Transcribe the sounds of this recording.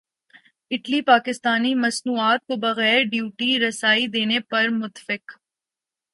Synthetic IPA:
ɪʈlipaːkɪst̪aːnimɐsnuːaːt̪̚kobɐɣɛːɾɖjuːʈiɾɐsaːid̪eːnepɐɾmʊt̪fɪk

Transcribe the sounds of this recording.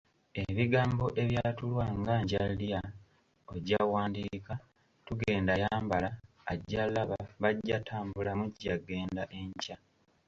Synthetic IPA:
eβiɡaːmbo̞ʔe̞βjatulwaŋɡaːɲɟalija | oɟawaːndiːka | tuɡe̞ːndajaːmbalaː | ɟːalaβaβaɟːatʰaːmbulamuɟːaɡe̞ːndaʔe̞ɲca

